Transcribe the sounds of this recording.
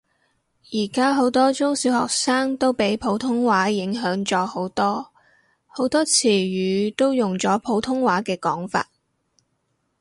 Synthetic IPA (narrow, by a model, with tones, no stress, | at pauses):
jiː˨˩kaː˥ɦo˨˥wt̪ɔː˥t͡sʊ˥ŋsiː˨˥whɔ̰ː˨k̚saː˥ŋt̪o˥wpe˨˥jpʰo˨˥wt̪ʰʊ˥ŋwaː˨˥jɪ˨˥ŋɦœː˨˥ŋt͡sɔː˧ho˨˥wt̪ɔː˥ | ho˨˥wt̪ɔː˥t͡sʰiː˨˩ɥyː˨˧t̪o˥wjʊ˨˩ŋt͡sɔː˨˥pʰo˨˥wt̪ʰʊ˥ŋwaː˨˥kɛː˧kɔː˨˥ŋfa̰ː˧t̚